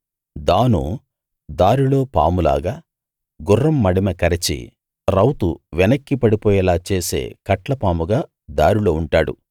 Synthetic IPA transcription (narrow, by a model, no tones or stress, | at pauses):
d̪aːnṵ | d̪aːɾilo̞ːpa̰ːmula̰ːɡaː | ɡurːɐmːɐɽimɐkɐɾit͡ʃḭ | ɾɐwt̪uʋɛnɐkːipɐɽipɔːjɐlaːt͡ʃe̞ːse̞̰ːkɐʈlɐpaːmuɡaː | d̪aːɾulo̞ːuɳʈaːɽṵ